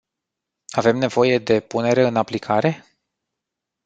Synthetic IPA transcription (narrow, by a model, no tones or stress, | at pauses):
ave̞mne̞vo̞je̞d̪e̞pune̞ɾeɨnaplikʰaɾe̞